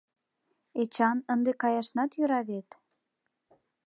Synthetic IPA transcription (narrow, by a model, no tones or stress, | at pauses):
et͡ɕɑnənd̪ekɑjɑʃnɑt̪jøɾɑβet̪